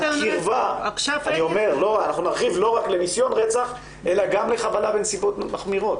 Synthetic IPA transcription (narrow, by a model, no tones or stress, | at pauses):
χiʁvaanio̞me̞ʁlo̞ʁanaχnunaʁχivlo̞ʁakle̞nisjo̞nʁet͡saχ | ʔe̞laɡamle̞χabalabensibo̞t̪maχmiʁo̞t̪